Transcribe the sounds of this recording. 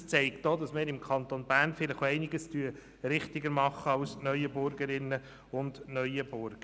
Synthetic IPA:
st͡sɛɪktd̥oːd̥ɑsmɪːɾɪmkʰɑnt̪onbæːrnfɪləχoɛɪnɪɡəstyə | ɾɪχtɪɡəɾmɑχːəɑʊsnœʏəbʊɾɡəɾɪnːə | ʊndnœʏəb̥ʊɾɡ̥ə

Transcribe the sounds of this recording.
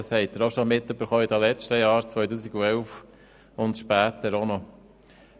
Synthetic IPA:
shɛɪt̪ːəɾoʃɔmɪt̪ːøb̥əɾχɔɪd̪ɑlɛt͡ʃtəjɑːɾt͡sʋœʏtuːsiɡuɛlf | ʊntʃpæːt̪əɾonɔ

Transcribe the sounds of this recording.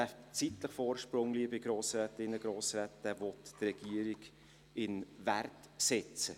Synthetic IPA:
æftt͡sitləχfoːɾʃpɾʊŋliːbɪɡɾoːsɾɛtɪnːəɡɾoːsɾɛtɛvɔtːrɛɡ̥iəɾiɡ | ɪnvært | sɛt͡sə

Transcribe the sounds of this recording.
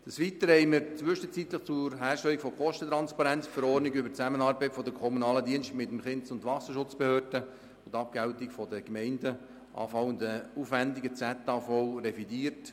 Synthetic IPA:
d̥əsʋit̪əɾhɛɪməɾt͡sʋʏʃət͡sit̪ləχt͡sʊɾɦæːrʃtɛlːikfɔkʰɔʃtət̪ɾɑnspɑɾɛnt͡sfəɾɔːrnɪɡʏbət͡sæmənɑːɾbɛɪtfɔdəkʰɔmunɑːlədiənʃtmɪtːəmχɪntsʊntʋɑsəʃʊt͡sb̥ehøːrd̥ə | ʊntɑp̚kɡɛltɪkfɔdəɡmɛɪndə | ʔɑ̰ːfɑʊʊndəufændɪɡət͡sætːɑfɔʊɾɛfidiːərt

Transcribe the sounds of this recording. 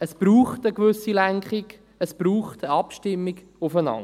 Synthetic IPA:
əsb̥ɾuːχtəkʋʏsilæŋkχiɡ | əsb̥ɾuːχtəɑpʃtɪmːiɡ | ʊfənɑ̰ŋ

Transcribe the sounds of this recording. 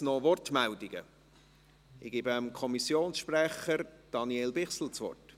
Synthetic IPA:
nɔʋɔrtmældɪɡ̥ə̰ | ɪɡ̥iːbmkʰɔmisjoːnsʃpræχəɾd̥ɑniɛlbɪχsl̩t͡sʋɔ̰rt

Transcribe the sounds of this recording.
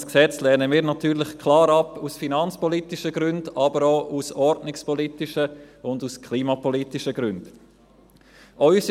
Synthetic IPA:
sksɛt͡slɛːnəmiːɾnɑtyːɾlɪχkʰlɑːɾɑpusfinɑnt͡spɔlitiʃəɡɾʏnd̥ɑbəɾoːʔusɔɾdnɪkspɔlitɪʃəʊnduskʰliːmɑpɔlitiʃəɡ̥ɾʉnd̥ | ʔœʏsi

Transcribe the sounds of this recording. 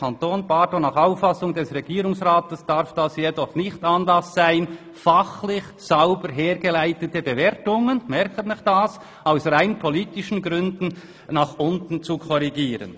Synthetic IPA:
antoːnbaːdonaχaʊfːasʊŋdɛsʁɛɡiːɾʊŋsʁaːtəsd̥aɾfd̥asjedɔχnɪçtɑnlɑsːaɪn | faχlɪç | saʊbəɾɦeːɾɡəlaɪtətəbevɛːɾtʊŋənmɛɾkətnɪχd̥as | aʊsraɪnpʰɔliːtɪʃn̩ɡɾʏndn̩ | naχʔʊntn̩t͡sukʰɔɾiɡiːɾə̰n

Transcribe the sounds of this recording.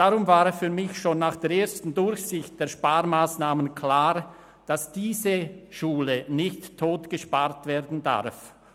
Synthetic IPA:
d̥aʁʊmvaːʁəfyːɐmɪçʃoːnːaːχd̥eːɐɾeːɐstn̩dʊɾçsɪçt̚d̥eːɐʃpaːʁmaːsnaːmənkʰl̥aːʁ | d̥asd̥iːzəʃuːlənɪçtʰːoːtɡ̥əʃpaʁtv̥eːʁdn̩da̰ʁf

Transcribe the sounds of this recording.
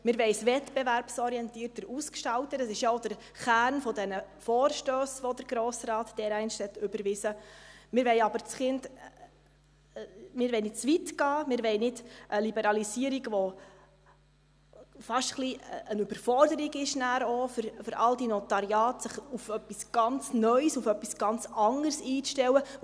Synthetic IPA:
mɪːɾʋɛɪsvɛtb̥ɛvæɾpsɔɾiɛntiːɾtəɾuːskʃtɑltəəsɪʃjaoʊd̥əɾ | χæːɾnfɔdɛnəfoːrʃtøːsʋod̪əɾɡɾoːsɾɑːtd̥ɛːɾɛɪnʃhɛt̪ʏbəɾvɪsəmɪːɾʋɛɪjɑbəɾt͡sχɪnd | mɪːɾvɛɪnɪtt͡svʋitɡ̥ɑːmɪːɾʋɛɪnɪdʔəlibɛɾɑlisiəɾiɡʋɔ | fɑʃtχliənybəɾfɔrdəɾiɡɪʃnæːɾofʏɾfʏɾʔɑldinɔt̪ɑɾjɑːtsəχufœpːisɡ̥ɑnt͡snœʏsufœpːisɡ̥ɑnt͡sɑŋərsiːʃtɛwə

